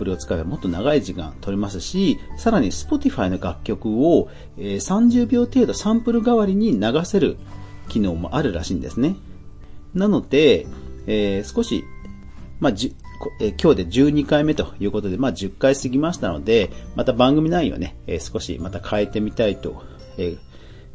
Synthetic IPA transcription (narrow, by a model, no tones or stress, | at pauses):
pɯɾɯ̟o̞t͡sɨ̥kaebamo̞t̪ːo̞naɡaiʑikã̰nt̪o̞ɾʲimasɨɕisaɾaɲ̟isɨ̥po̞t̪ʲiɸaino̞ɡakʲːo̞kɯ̟o̞ | eːsãɲ̟d͡ʑɨːbʲo̞ːt̪e̞ːd̪o̞sãmpɯ̟ɾɯ̟ɡaβaɾʲiɲ̟inaɡase̞ɾɯ̟̰ | kʲino̞ːmo̞̰ʔaɾɯ̟ɾa̰ɕĩːnd̪e̞̰sɨne̞ | nano̞d̪̥e̞eːsɨ̥ko̞ɕḭ | mad͡ʑ | koekʲo̞ːd̪e̞d͡ʑɨːɲ̟ikaime̞t̪o̞jɯ̟ːko̞t̪o̞d̪e̞maːd͡ʑɨkːaisɨɡʲimaɕi̥t̪ano̞̰d̪e̞mat̪abãŋɡɯ̟mʲinaijo̰ne̞ḛːsɨ̥ko̞ɕḭmat̪akʰae̞t̪e̞mʲit̪ait̪o̞̰ | eː